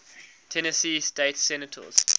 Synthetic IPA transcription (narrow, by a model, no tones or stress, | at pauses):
tʰɛnəsiːsteɪtsɛnətʰə̰z̥